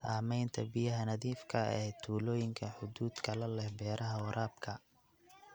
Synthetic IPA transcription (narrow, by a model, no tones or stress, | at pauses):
saːmɛjnt̪ʰɐbɪjɐɦɐnɐðiːfkʰɐɛːt̪ʰuːlɔːjɪŋkʰɐħʊd̪uːd̪kʰɐlɐlɛhbɛːɾʔɐɦɐwʊɾʔaːb̚kʰɐ